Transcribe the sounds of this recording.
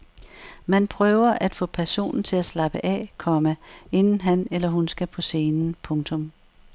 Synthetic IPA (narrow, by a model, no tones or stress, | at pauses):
mænpʰʁœːʊɐʔæd̥fɔ̰̽ːpʰæɐso̝̰ːnn̩t͡sʰe̝læslɑ̈b̥əʔɛ̰kʰɒ̽məe̝nn̩ɦænelɐɦunsɡ̥æpʰɒ̽se̝ːnn̩pʰɔ̽ŋt͡sʰɔ̽m